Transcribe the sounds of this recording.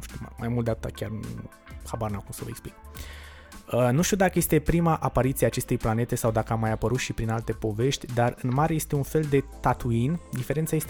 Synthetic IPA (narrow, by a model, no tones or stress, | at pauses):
uʃt̪imma̰jmult̪d̪eat̪ɨt̪akʲarɨn | habarnakumsəvə̰eksplik | ənuʃt̪iud̪akəje̞st̪e̞pɾimaʔapaɾit̪siaːt͡ʃe̞st̪e̞jplane̞t̪e̞sawd̪akəamajapəɾut̪ʃipɾinalt̪e̞po̞ve̞ʃt̪ʲd̪arɨnmaɾeje̞st̪e̞unfe̞ld̪e̞t̪at̪uind̪ifeɾent̪saje̞st̪